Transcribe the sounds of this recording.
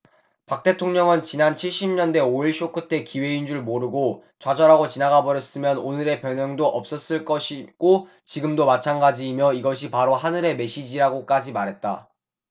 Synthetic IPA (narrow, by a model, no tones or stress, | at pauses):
pak̚t͈e̞tʰoŋɲʌŋɯnt͡ɕinant͡ɕʰiɭɕ͈imɲʌndwe̞oiɭɕʰok͈ʰɯtʰe̞kiwe̞ind͡ʑuɭmoɾɯɡo | t͡ɕwad͡ʑʌɾaɡot͡ɕinaɡabʌɾjʌs͈ɯmjʌnonɯɾe̞pjʌnʌŋdoʔʌp̚s͈ʌs͈ɯɭk͈ʌɕʰiɡ̥o | t͡ɕiɡɯmdomat͡ɕʰanɡad͡ʑiːmjʌiɡʌɕ̬ʰipaɾohanɯɾe̞me̞ɕ͈id͡ʑiɾaɡok͈ad͡ʑimaɾɦe̞t̚t͈a̰